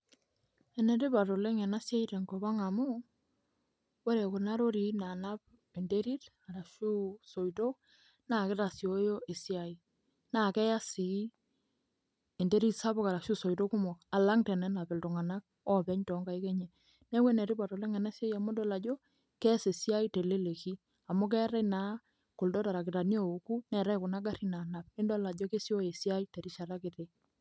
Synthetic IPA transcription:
e˨ne˨ɾɪ˦pa˨to˨le˦ŋɛ˨na˦sje˦ite˨ŋɡo˨ba˦ŋa˨mo˦ | wɔ˦ɾe˨kʊ˨na˦ɾo˦ɾi˨na˨na˦p | e˨nde˦ɾi˦ɾa˨ɾa˨ʃu˦so˨jto˦ | na˨ke˦ta˨sjo˦jo˦ʔe˨sja˨i˨ | na˨kɛ˦ja˦si˨˦ | e˨nde˦ɾi˦tsa˦bʊ˦ka˨ɾa˨kʃu˦so˨jto˦kʊ˦mɔ˨ka˨la˦ŋtɛ˨nɛ˦na˨pɛ˨ltʊ˨ŋa˨na˦k̚ | ɔ˦pɛ˨˦ɲtɔ˨˦ŋɡa˨i˦kɛ˦ɲɛ˨ | nɛ˦we˦nɛ˨ɾi˦pa˨tɔ˨lɛ˦ŋɛ˨nɛ˦se˦ja˨mo˦dɔ˦la˨d͡ʒɔ˦ | kɛ˦se˨si˦a˦i˦te˨le˦le˨ki˦ | a˨mʊ˦k̬ɛ˦ɾɛ˦na˨˦ | kʊ˨ldɔ˦ta˨ɾa˨kɪ˨ta˨ni˦o˨o˨ku˦nɛ˨ɾɛ˦kʊ˨na˦ɡa˦ri˦na˨na˨p̚ɪ˦ndɔ˦la˨d͡ʒɔ˦ke˦sjo˦je˨si˦a˦i˦te˨ɾi˦ʃa˨ɾa˦kɪ˨te˨

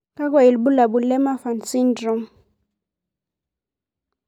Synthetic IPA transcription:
ka˦k̬wa˨i˨lɓu˦la˨ɓu˨lɛ˦ma˦fa˨nt͡si˦ndrɔ˨ŋ

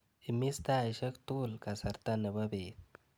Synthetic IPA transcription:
ɪ˨mːi˦st̪a˦ɪʃɐ˦kt̪ulka˨sɐ˨ɾt̪a˦nɐ˨bɐbe˨t

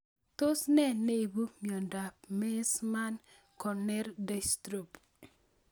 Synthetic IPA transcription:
to˦snɛ˦ne˦i˨bu˦mjɔ˨nda˨p̚me˦sma˦n | kɔ˨nɛ˦rde˦˨stɾu˨p

